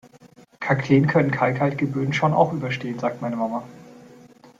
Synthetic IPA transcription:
kʰakʰleːənkʰœnənkʰaɪkhalt̚ɡ̥əbøːn̩ʃoːna̰ʊxʔyːbɐʃteːənzaːk̚tmaɪnəmamɐ

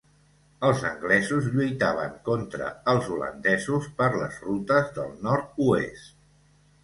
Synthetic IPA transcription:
əlˠzəŋɡlɛzuzʎujt̪aβ̞ə̰ŋkont̪ɾə̰əlˠzulə̰nd̪ɛzuspəɾlə̰zrut̪əzðə̰lˠnɔɾt̪̚uḛst̪

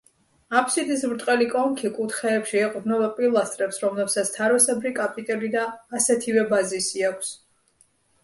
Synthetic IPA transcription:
apʰsid̪ismɾt̪ʼqʼɛlikʼɔŋkʰikʼut̪χɛːpʃiɛqʼɾnɛbapʼilˠast̪ʼɾɛpsɾɔmlɛpsat̪sʰt̪ʰaɾɔsɛbɾikʼapʼit̪ʼɛlid̪aːsɛt̪ʰivɛbazisiakʷʰs

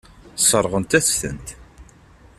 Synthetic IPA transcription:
sˤəɾˤʁənt̪æθθə̰nt̪

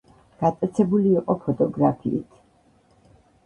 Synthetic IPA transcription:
ɡ̥at̪sʼɛt̪sʰɛbuliːqʼɔpʰɔt̪ʼɔɡɾapʰḭːt̪ʰ

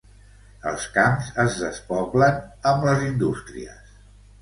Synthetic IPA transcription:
əlˠskamzəzðəspɔplənəmləzind̪ust̪ɾḭə̰s

